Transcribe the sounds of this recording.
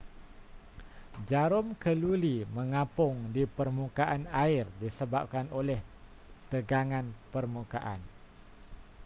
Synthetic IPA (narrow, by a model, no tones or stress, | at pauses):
d͡ʒaɾʊmkəlulimə̃ŋãpʊŋdipərmukaʔanaɪrdisəbap̚kanolɛh | t̪əɡaŋãnpərmukaʔa̰n